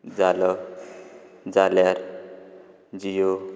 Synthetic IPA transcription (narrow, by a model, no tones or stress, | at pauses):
d͡zalʌ | d͡zaljaɾ | d͡zijo